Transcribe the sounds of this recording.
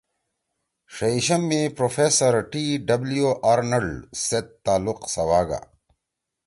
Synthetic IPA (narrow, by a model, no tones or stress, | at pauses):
ʂɐiɕɐmːepɾofeːsɐɾʈiɖɐblijoʔaːɾnɐɖset̪ːaːluqsɐwaːɡa̰